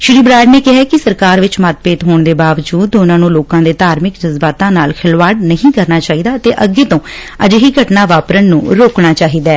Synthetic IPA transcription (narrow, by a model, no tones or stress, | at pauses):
ʃɪɾiːbɾaːɪɖneːkɪɦɛːkɪsəɾkaːɾʋɪt͡ʃmət̪̚peːt̪ɦoːɳd̪eːbaːʋəd͡ʒuːd̪ʊnãːnũːloːkãːd̪eːt̪aːɾmɪkd͡ʒəzbaːt̪ãːnaːlkʰɪlʋaːɽnəɦĩːkəɾnaːt͡ʃaːɦiːd̪aːt̪eːʔəɡeːt̪õː | əd͡ʒɦiːɡʱəʈnaːʋaːpɾənːṵ̃ːɾoːkɳaːt͡ʃaːɦiːd̪ɛː